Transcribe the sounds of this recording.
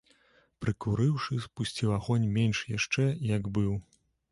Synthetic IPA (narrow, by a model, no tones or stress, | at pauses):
pɾɨkuɾɨwʂɨspusʲt͡sʲiwaɣɔnʲmʲenʲʂjaʂt͡ʂɛjɐɡbɨw